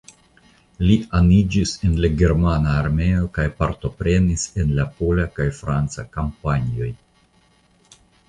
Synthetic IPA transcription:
lianid͡ʒise̞nlaɡe̞ɾmanaːɾme̞o̞kajpaɾto̞pɾe̞nise̞nlapo̞lakajfɾant͡sakampaɲio̞j

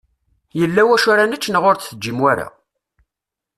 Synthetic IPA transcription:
jəlːæwæʃʊɾanət͡ʃːnəʁʊɾθθəd͡ʒːimwæɾa̰

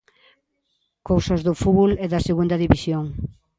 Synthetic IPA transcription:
kowsɐzðʊfuβulɛðɐseɣund̪ɐðiβisjoŋ

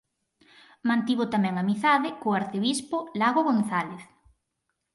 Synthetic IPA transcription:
mãnt̪iβʊt̪amɛŋamiθaðɪkoaɾθeβispolaɣoɣonθaleθ

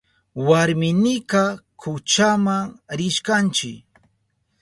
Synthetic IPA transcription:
waɾmɪnɪkakʰʊt͡ʃamaŋɾɪʃkant͡ʃɪk

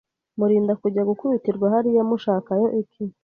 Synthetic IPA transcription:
muɾiːndakuɟaɡukuβitiɾɡwahaɾijamuʃaːkajo̞ʔitʰi

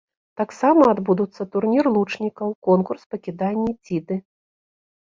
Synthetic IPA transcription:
t̪aksamɐːd̪bud̪ut̪sːɐt̪urnʲirlˠut͡ʂnʲikɐwkɔnkurspɐkʲid̪anʲːit͡sʲid̪ɨ

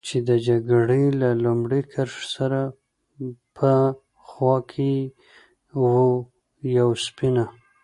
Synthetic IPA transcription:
t͡ʃed̪əd͡ʒaɡɽelalʊmɽekʰaɾʃsaɾa | pʰə | xwɑkʰe | wu | jawspɪna

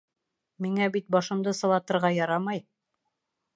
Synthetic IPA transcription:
miŋæbit̪̚bɑʃɤ̆md̪ɤsɤ̆lˠɑt̪ɤ̆ɾʁɑjɑɾɑmɑj

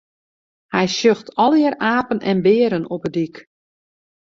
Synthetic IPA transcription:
hɛjsøxtʰɔlˠɪəɾaːpənʔɛnbɪəɾənopədik

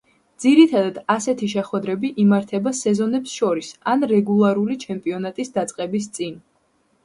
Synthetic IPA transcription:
d̪z̥iɾit̪ʰad̪ad̪asɛt̪ʰiʃ̬ɛχwɛd̪ɾɛbiʔimaɾt̪ʰɛbasɛzɔnɛpsʃɔɾisanɾɛɡulˠaɾulit͡ʃʰɛmpʼiɔnat̪ʼisd̪at̪sʼqʼɛbis̬t̪sʼin

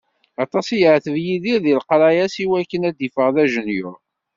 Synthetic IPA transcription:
ɑt̪ˤɑsijəʕθəvjiðiɾðilqɾˤɑjæsiwækːənæd̪ifəʁðæʒənjʊɾ

